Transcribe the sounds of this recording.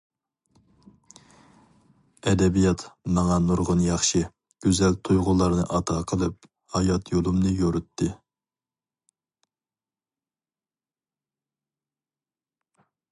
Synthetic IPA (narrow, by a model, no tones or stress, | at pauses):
ɛd̪ɛbijɑt̪mɑŋɑnuɾʁʊnjɑχʃɨ | ɡ̥ʲøzɛlt̪ʰujʁʊlˠɑɾnɨʔɑt̪ʰɑqʰəlˠɨp̚ | hɑjɑt̪jolˠumnɨjoɾɨt̪ʰːɨ